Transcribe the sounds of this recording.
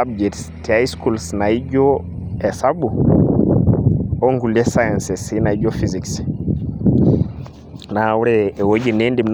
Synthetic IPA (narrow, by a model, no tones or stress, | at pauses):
abd͡ʒɛts | tiajskulsnaid͡ʒɔ | ɛsabu | oŋɡuliɛsajansɛsinaiɟɔfiziks | nawuɾɛːwod͡ʒinendimn